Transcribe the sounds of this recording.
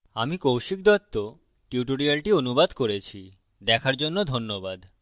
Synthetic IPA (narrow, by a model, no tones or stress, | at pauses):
a̰mikowʃik̚d̪ɔt̪ːo | ʈiuʈoɾialʈionubad̪koɾet͡ɕʰi | d̪ɛkʰaɾd͡ʑonːod̪ʱonːobad̪